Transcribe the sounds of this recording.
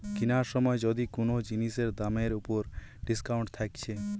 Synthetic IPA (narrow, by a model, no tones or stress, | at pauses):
kinaɾʃɔmɔed͡ʑɔd̪ikonod͡ʑiniʃeɾd̪ameɾupoɾ | ɖiskawɳʈt̪ʰakt͡ɕʰe